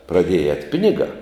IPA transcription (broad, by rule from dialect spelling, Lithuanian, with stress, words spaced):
prɐˈdʲiɛjɛ ɛːtʲ ˈpʲɪnʲɪɡɑː